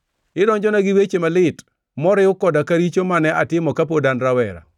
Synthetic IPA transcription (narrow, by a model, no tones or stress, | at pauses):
ɪdɔnd͡ʒɔnaɡɪwet͡ʃemalɪt | mɔɾɪʊkɔdakaɾit͡ʃomanɛʔatɪmɔkapodanɾawɛɾa̰